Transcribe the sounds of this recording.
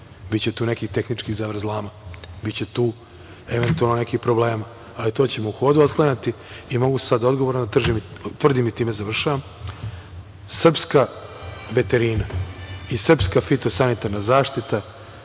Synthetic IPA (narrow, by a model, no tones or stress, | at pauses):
bitt͡ɕet̪uːnekixt̪e̞xnit͡ʂkiɣzaʋɾ̩zlˠaːmabitt͡ɕe̞t̪uː | eʋe̞nt̪ualˠnone̞kipɾo̞ble̞ːma | alit̪o̞ːt͡ɕe̞mouxo̞ːd̪uot̪̚klaɲat̪i | imo̞ɡussad̪ao̞d̪ɡo̞ʋoɾnod̪at̪r̩ʒimt̪rd̪imit̪iːmezaʋr̩ʃaʋam | sr̩pskaʋe̞t̪eɾinaisr̩pskafit̪o̞sanit̪aɾnazaːʃt̪it̪a